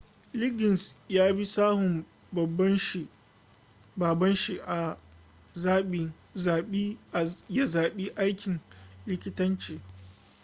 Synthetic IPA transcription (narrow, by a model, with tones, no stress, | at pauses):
lɪ˦ɡɪ˨nsjaː˦bi˦saː˦hʊ˨m | bɐ˨bːɐ˦nʃi˨ | baː˨bɐ˦nʃi˦ʔa˨ | zaː˦ɓi˨ | zaː˨ɓi˦˨ja˦zaː˨ɓi˦ʔa˦jkʲɪ˨nlɪ˦kʲɪ˦tɐ˦nt͡ʃeː˨